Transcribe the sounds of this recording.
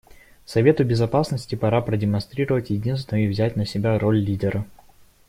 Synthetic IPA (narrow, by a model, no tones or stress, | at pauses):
sɐvʲe̞t̪ʊbʲɪzɐpasnəsʲtʲɪpɐɾapɾədʲɪmɐnst̪ɾʲiɾəvətʲjɪdʲinst̪vnəjʊɪvzʲætʲnəsʲɪbʲaɾolʲːidʲɪɾə